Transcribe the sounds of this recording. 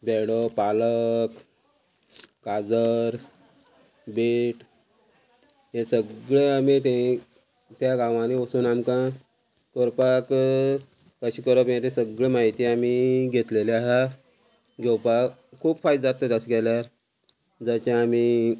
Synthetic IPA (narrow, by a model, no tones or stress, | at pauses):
beɽopalək | kad͡zəɾ | beʈ | jẽsəɡɭeamit̪ẽ | t̪jaɡãʋãniʋəsuːnamkã | kəɾpak | kəɕiːkəɾəpjẽt̪esəɡɭemaɦit̪iːamiɡʱet̪leleaɦa | ɡʱɛwpakkʰːuːpfajd̪d͡zat̪ət̪jasɡɛljaɾ | d͡zat͡ɕaːmi